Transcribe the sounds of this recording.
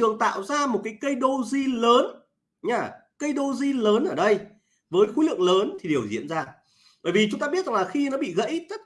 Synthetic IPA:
ɨ˨˩əŋt̪a̰ː˧˨wzaː˧mo˨˩t̚kaː˨˦jkə˧jɗo˧zi˧ləː˨˦n | ɲaː˧˩ | kə˧jɗo˧zi˧ləː˨˦nʔəː˧˩ɗə˧j | vəː˨˦jxi˨˦lɨ̰˧˨əŋləː˨˦nt̪ʰi˨˩e˨˩əwzḭ˧˨ənzaː˧ | ɓəː˧˩vi˨˩t͡ɕʊ˨˦ŋ͡mt̪aː˧ɓi˦˥ət̚zŋlːxi˧nɔ˨˦ɓḭ˧˨ɣə̰˧˥jt̪ə˦˥

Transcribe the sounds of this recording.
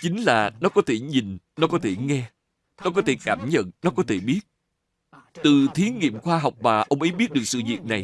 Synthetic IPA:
t͡ɕï˨˦ŋ̟laː˨˩nɔ˨˦kɔ˨˦t̪ʰe˧˩ɲi˨˩nnɔ˨˦kɔ˨˦t̪ʰe˧˩ŋɛ˧ | nɔ˨˦kɔ˨˦t̪ʰe˧˩kaː˧˩mɲə̰˧˨nnɔ˨˦kɔ˨˦t̪ʰe˧˩ɓi˦˥ət̚ | t̪ɨ˨˩t̪ʰi˨˦ŋḭ˧˨əmxwaː˧ɦa˨˩wk͡p̚maː˨˩ʔə˧wŋ͡mʔə˨˦jɓi˦˥t̚ɗɨ˨˩ək̚sɨ̰˧˨vḭ˨˩ək̚na˨˩j

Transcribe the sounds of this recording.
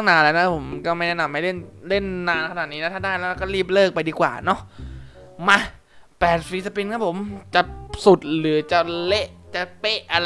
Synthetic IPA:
a˥˩naː˧nlaː˧˥na˦˥˩pʰo˩˦mkɔː˥˩ma˥˩jnɛ˧˥˩na˨˧˩mːa˧˥˩jle˥˩nle˥˩nːaː˧nkʰnaː˨˩t̪̚niː˦na˦˥t̪ʰa˥˩daː˥˩jlɛ˦˥ɾa˧˩kɔː˥˩liː˥˩p̬̚lɤː˥˩k̚pa˧jdiː˧kwa̰ː˨˩nɔ˦˥ʔ | ma˧˩ | pɛː˨˩t̪̚fi˦˥sa˧pi˧nkʰa˦˥˩pʰo˩˦mt͡ɕa˨˩su˨˩t̪̚lɯː˩˦t͡ɕa˨˩le˦˥ʔt͡ɕa˨˩pe˥˩ʔʔa˧

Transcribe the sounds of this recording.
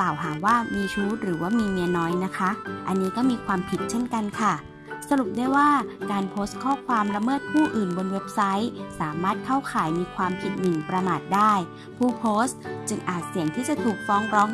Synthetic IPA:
klaː˨˩wɦaː˩˦waː˥˩miː˧t͡ɕʰuː˦˥t̪̚ɾɯː˩˦waː˥˩miː˧mi˧nɔː˦˥jna˦˥kʰa˦˥ʔa˧nːiː˦˥kɔː˥˩miː˧kʰwaː˧mpʰi˨˩t̪̚t͡ɕʰe˥˩nka˧nkʰa˥˩ | sa˧ɾu˨˩p̚daː˥˩jwaː˥˩kaː˧npʰoː˦˥st̪̚kʰɔː˥˩kʰwaː˧mɾa˧mɤː˥˩t̪̚pʰuː˥˩ʔɯː˨˩nbo˧nwe˦˥p̚sa˦˥jsaː˩˦maː˥˩t̪̚kʰa˥˩wkʰaː˨˩˦jmiː˧kʰwaː˧mpʰi˨˩t̪̚nɯ˨˩ŋpɾa˧maː˨˩t̪̚daː˥˩j | pʰuː˥˩pʰoː˦˥st̪t͡ɕɯ˧ŋʔaː˨˩t̪̚si˨˩˦əŋt̪ʰiː˥˩t͡ɕa˨˩t̪ʰuː˨˩k̚fɔː˦˥ŋɾɔː˦˥ŋ

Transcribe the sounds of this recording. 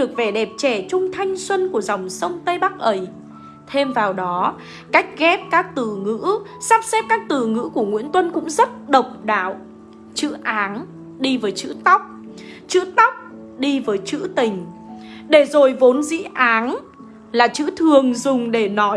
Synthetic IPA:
ɗɨ˨˩ək̚ve˨˩ɗɛ˨˩p̚t͡ɕɛ˧˩t͡ɕʊ˧ŋ͡mt̪ʰa˧jŋ̟swə˧nku˧˩əza˨˩wŋ͡msə˧wŋ͡mt̪ə˧jɓa˦˥k̚ʔə˨˩˦j | t̪ʰe˧mvaː˨˩wɗɔ˨˦ | ka˦˥jk̟̚ɣɛ˦˥p̚kaː˦˥k̚t̪ɨ˧˩ŋɨ̰˧˥ | saː˦˥p̚sɛ˦˥p̚kaː˦˥k̚t̪ɨ˧˩ŋɨ̰˧˥ku˧˩əŋwi˧˥ənt̪wə˧nkʊ̰˧˥ŋ͡mzə˦˥t̚ɗə˨˩wk͡p̚ɗa̰ː˧˨w | t͡ɕɨ̰˧˥ʔaː˨˦n | ɗi˧vəː˨˦jt͡ɕɨ̰˧˥t̪a˦˥wk͡p̚ | t͡ɕɨ̰˧˥t̪a˦˥wk͡p̚ | ɗi˧vəː˨˦jt͡ɕɨ̰˧˥t̪ï˨˩ŋ̟ | ɗe˧˩zo˨˩jvo˨˦nzḭ˧˥ʔaː˨˦n | laː˨˩t͡ɕɨ̰˧˥t̪ʰɨ˨˩əŋzʊ˨˩ŋ͡mɗe˧˩nɔ˨˦

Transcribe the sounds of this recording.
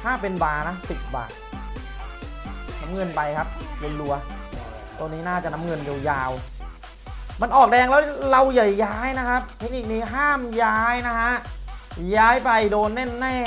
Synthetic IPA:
hʰaː˥˩pe˧nbaː˧na˦˥si˨˩p̚ba̰ː˨˩t̪̚ | na˦˥mŋɤ˧npa˧jkʰa˦˥p̚jo˧nlu˧ɐ | t̪o˧niː˦˥naː˥˩t͡ɕa˨˩ʔna˦˥ŋɤ˧njo˧wjaː˧w | ma˧nʔɔː˨˩k̚dɛː˧ŋlɛː˦˥la˧wja˨˩jːaː˦˥jna˦˥kʰa˦˥p̚t̪ʰe˦˥ni˨˩k̚niː˦˥ɦaː˥˩mjaː˦˥jna˦˥ɦa˦˥ʔjaː˦˥jpa˧jdoː˧nːe˥˩nːɛː˥˩

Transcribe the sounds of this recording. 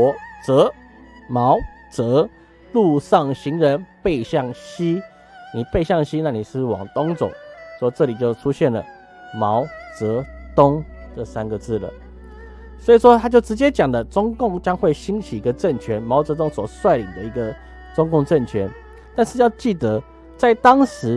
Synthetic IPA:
ɔ˧˦t͡sə˨˦ | mɑ˧˦ʊ | t͡sə˧˦ | lu˥˧ʂɑ˥˩ŋɕi˧˥ŋɻə˧˦npe˥˧ɪɕjɑ˥˩ŋɕi˦ | ni˨˩pe˥˧ɪɕjɑ˥˩ŋɕi˦na˥˩ni˨˩ʂ̩˥˧˩wɑ̰˨˩ŋt̪ʊ˥ŋt͡so̰˨˩˦ʊswɔ˥˦t͡sɤ˥˨li˨˩t͡ɕjo˥˩ʊʈ͡ʂʰu˥ɕjɛ˥˩nlə̰˩ | mɑ˧˦ʊt͡sə˨˧˥t̪ʊ˦ŋtə˥˧sa˦nɡə˨t͡sɹ̩˥˩lə̰˩ | swɔ˧˥i˨˩ʂwɔ˦t̪ʰa˥t͡ɕjo˥˩ʊʈ͡ʂɻ̩˧˥t͡ɕjɛ˦t͡ɕjɑ˨˩ŋd̪ə˦t͡sʊ˥ŋkʊ˥˩ŋt͡ɕjɑ˥ŋxwe˥˩ɪɕi˥ŋt͡ɕʰi˨˩i˧˥ɡə˧ʈ͡ʂə˥˩nt͡ɕʰɥɛ˧˦nmɑ˧˥ʊt͡sɤ˧˥t̪ʊ˥ŋswɔ˨˩swa˥˩ɪli˨˩ŋd̪ə˦i˧˥ɡə˧ | t͡sʊ˥ŋkʊ˥˧ŋʈ͡ʂə˥˩nt͡ɕʰɥɛ˧˦n | t̪a˥˧nʂɻ̩˥˧jɑ˥˧ʊt͡ɕi˥˩t̪ə˨˦ | t͡sa˥˩ɪt̪ɑ˥ŋʂɻ̩˧˥

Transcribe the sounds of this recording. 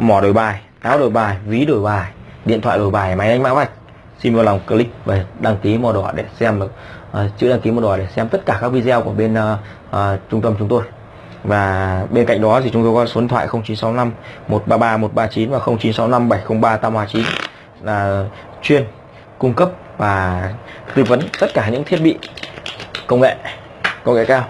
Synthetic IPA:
mɔ˧˩ɗo˨˩jɓaː˨˩j | ʔaː˨˦wɗo˨˩jɓaː˨˩jvi˨˦ɗo˨˩jɓaː˨˩j | ɗḭ˧˨nt̪ʰa̰ː˧˨jɗo˨˩jɓaː˨˩jma˨˦jʔa˧jŋ̟ma̰˧˥va˨˧˩jk̚ | si˧nvɔ˧˩la˨˩wŋ͡mkə˧˩lï˦k̚vaː˨˩ɗa˧˩ŋki˨˦mɔ˨˩ɗwɔ˧˩ɗe˧˩sɛ˧mɗɨ˨˩k̚ʔt͡ɕɨ̰˧˥ɗaː˧˩ŋki˨˦mɔ˨˧˩ɗwɔ˨˧˩ɗe˧˩sɛ˧mt̪ə˦˥t̚kaː˧˩kaː˦˥k̚vi˧zɛ˧wku˧˩əɓe˧nː˧ | ʔt͡ɕʊ˧ŋ͡mt̪ə˧mt͡ɕʊ˨˦ŋ͡mt̪o˧j | vaː˨˩ɓe˧nka̰˧˨ŋ̟ɗɔ˨˦t̪ʰi˨˩t͡ɕʊ˨˦ŋ͡mt̪o˧jkɔ˨˦so˨˦˨t̪ʰw̰ːjxə˧wŋ͡mt͡ɕi˨˦nsa˨˦wna˧mmo˨˩t̚ɓaː˧ɓaː˧mo˨˩t̚ɓaː˧t͡ɕi˨˦nvaː˨˩xə˧wŋ͡mt͡ɕi˨˦nsa˨˦wna˧mɓa˧˩jxə˧wŋ͡mɓaː˧t̪aː˧mhaː˧˩t͡ɕi˨˦n | laː˨˩˨ | t͡ɕwi˧ən | kʊ˧ŋ͡mkə˦˥p̚ | vaː˨˩t̪i˧və˨˦nt̪ə˦˥t̚kaː˧˩ɲɨ̰˧˥ŋt̪ʰi˦˥ət̚ɓḭ˧˨ | kə˧wŋḛ˧˨ | kə˧wŋḛ˧˨kaː˧w

